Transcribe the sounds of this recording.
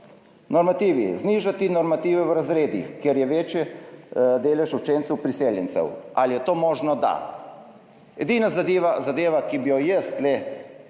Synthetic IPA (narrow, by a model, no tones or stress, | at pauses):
nɔɾmat̪iːʋḭzniːʒat̪inɔɾmat̪iːʋɛwɾazɾeːd̪ḭxkjeɾjɛʋeːt͡ʃjɛ | d̪eːlɛʃut͡ʃeːnt̪sɛwpɾiseːljɛnsɛ̰wʔalijɛt̪oːmɔːʒnɔd̪a̰ | ɛd̪iːnazad̪iːʋazad̪eːʋakibijɔjɛst̪lɛ